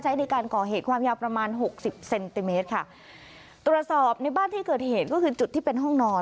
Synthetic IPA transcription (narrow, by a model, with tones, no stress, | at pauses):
t͡ɕʰa˦˥jna˧jkaː˧nkɔː˨˩ɦeː˨˩t̪̚kʰwaː˧mjaː˧wpɾa˧maː˧nɦo˨˩k̚si˨˩p̚se˧nt̪i˧meː˦˥t̪̚kʰa˥˩ | t̪ɾu˨˩ət̪̚sɔː˨˩p̚na˧jbaː˥˩nt̪ʰiː˥˩kɤː˨˩t̪̚heː˨˩t̪̚kɔː˥˩kʰɯː˧t͡ɕu˨˩t̪ʰːiː˥˩pe˧nɦɔ˥˩ŋnɔː˦˥